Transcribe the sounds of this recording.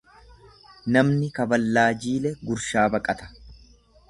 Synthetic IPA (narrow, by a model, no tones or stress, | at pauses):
nɐmnɪkɐbɐlːaːd͡ʒiːlɛɡʊɾʃaːbɐkʼɐt̪ɐ̥